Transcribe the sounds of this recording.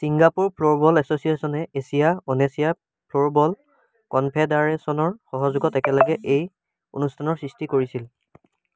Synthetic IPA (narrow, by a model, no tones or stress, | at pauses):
siŋɡapuɹpʰloɹbɔlɛsosiesɔnɛʔesijaonesija | pʰloɹbɔl | kɔnpʰɛdaɹɛsɔnɔɹxɔɦɔzʊɡɔtɛkɛlɛɡɛʔej | o̰nustʰanɔɹsɹistikoɹisil